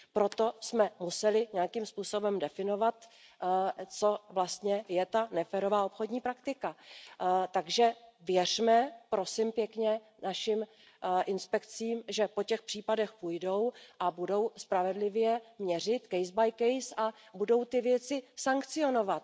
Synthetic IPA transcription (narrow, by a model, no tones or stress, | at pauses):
pɾo̞t̪o̞smɛmusɛlɪɲɛjakimspuːso̞bɛmdɛfɪno̞vat̪ | t͡so̞vlast̪ɲɛjɛt̪anɛfɛɾo̞vaːopxo̞dɲiːpɾakt̪ɪka | t̪aɡʒɛvjɛr̝mɛpɾo̞sɪmpjɛkɲɛ | naʃɪm | ʔɪnspɛkt͡siːmʒɛpo̞cɛxpr̥iːpadɛxpujdo̞wʔabudo̞wspɾavɛdlɪvjɛmɲɛr̝ɪt̪kɛjzbajkɛjsʔabudo̞wt̪ɪvjɛt͡sɪsaŋkt͡sɪo̞no̞vat̪̚